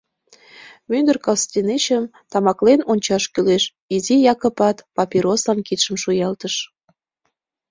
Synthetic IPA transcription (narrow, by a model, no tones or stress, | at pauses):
mynd̪ərkɑlst̪ʲinet͡ɕəm | t̪ɑmɑklenonʲt͡ɕɑʃkyleʃ | izijɑkə̆pɑt̪pɑpʲiɾoslɑnkit̪ʃəmʃujɑlt̪əʃ